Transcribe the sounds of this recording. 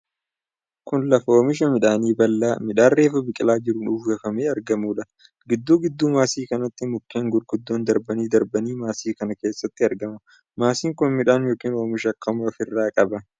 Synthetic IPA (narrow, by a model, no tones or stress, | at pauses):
kʊnlɐfɐoːmɪʃ̬ɐmɪᶑaːniːbɐlːaːmɪᶑaːrːeːfɐbɪkʼɪlaːd͡ʒɪɾʊnuːfɡɐfɐmeːɐɾɡɐmuːᶑɐ | ɡɪd̪ːuːɡɪd̪ːuːmaːsiːkɐnɐt̪ːɪmʊkːeːŋɡʊɾɡʊd̪ːoːnd̪ɐɾbɐniːd̪ɐɾbɐniːmaːsiːkɐnɐke̞ːsːɐt̪ːɪɐɾɡɐmɐ | maːsiːŋkʊnmɪᶑaːnjoːkiːno̞ːmɪʃ̬ɐkʰːɐmʊɐfɪrːaːkʼɐbɐ